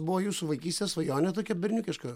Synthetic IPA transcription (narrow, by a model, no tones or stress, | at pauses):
bʊʋoːjuːsʊʋɐɪkʲiːsʲt̪ʲɛsʋɐjoːnʲɛt̪oːkʲɛbʲɛɾʲnʲʊkʲɪʃkɐ